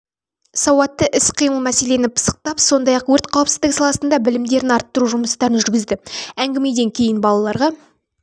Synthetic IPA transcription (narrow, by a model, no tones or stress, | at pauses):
sɑwɑt̪ːəʔɪsqʰijməlˠmæse̞le̞nɪpʰə̥sə̥q̚t̪ɑpso̞nd̪ɑjɑqwɵɾt̪qʰɑwəpsɪzd̪ɪksɑlˠɑsənd̪ɑbɪlɪmd̪e̞ɾɪnɑɾt̪ːəɾuʒʊməst̪ɑɾənʒʏɾɡʲɪzd̪ɪæŋɡʲɪme̞d̪e̞ŋkʲʰe̞jɪnbɑlˠɑlˠɑɾʁɑ